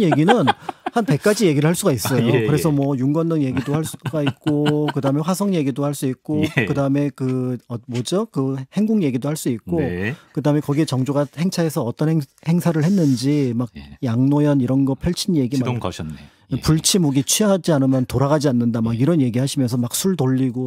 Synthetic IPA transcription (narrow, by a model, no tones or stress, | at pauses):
nje̞ɡinɯnhanpe̞k͈̚ad͡ʑije̞ɡiɾɯɭhaɭs͈uɡais͈ʌjokɯɾe̞sʰʌmwʌjuŋɡʌnːɯŋje̞ɡidohaɭs͈uɡait̚k͈okɯdaɯme̞ɸwasʰʌŋje̞ɡidohaɭs͈uik̚k͈okɯdaɯme̞kɯʌmʌd͡ʑʌkɯhe̞ŋɡuŋje̞ɡidohaɭs͈uik͈okɯdaɯme̞kʌɡie̞t͡ɕʌŋd͡ʑoɡahe̞ŋt͡ɕʰae̞sʰʌʌt͈ʌnhe̞ŋsʰaɾɯɭhe̞nːɯnd͡ʑimaɡ̚jaŋnojʌniɾʌnɡʌpʰjʌɭt͡ɕʰinje̞ɡimanː | puɭt͡ɕʰimuɡit͡ɕʰɥiaad͡ʑianɯmjʌntoɾaɡad͡ʑianːɯndamaɡiɾʌnje̞ɡihaɕʰimjʌnsʰʌmak̚sʰuɭdoʎːiɡo